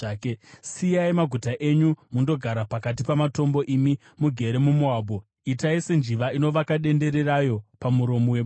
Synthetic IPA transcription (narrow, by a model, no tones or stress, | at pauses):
sijaimaɡʱutaʔe̞ɲumundo̞ɡʱaɾapakat̬ipamato̞mbo̞ʔimi | muɡʱe̞ɾe̞mumuaːbʱo | itaisend͡ʒiʋaino̞ʋakaɗe̞nde̞ɾe̞rajo̞pamuɾo̞mowe